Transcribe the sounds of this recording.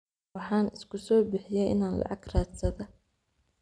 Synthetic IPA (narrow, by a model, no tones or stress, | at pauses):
ɑħɑːnɪskʰʊsɔːbɪħɪjɛjʔɪnaːnlɑ̰ʕɑɡraːt̪sɐðɐ